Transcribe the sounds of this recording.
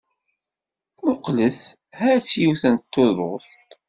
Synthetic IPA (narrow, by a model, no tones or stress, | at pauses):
mʊqləθ | hæt͡sːjuθənt̪ːoðˤost̪